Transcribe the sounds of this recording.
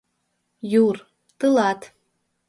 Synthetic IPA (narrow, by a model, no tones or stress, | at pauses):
jur | t̪ɨlˠɑt̪